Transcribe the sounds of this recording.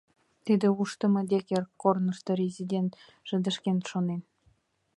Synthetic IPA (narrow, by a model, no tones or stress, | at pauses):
t̪id̪ʲɘ̆uʂt̪ɤ̆mɤ̆d̪ʲekʲerʲkornɤ̆ʂt̪ɤ̆ɾʲezʲidʲent̪ | ʒ̥ɘ̆d̪ɘ̆ʃkʲenʃonen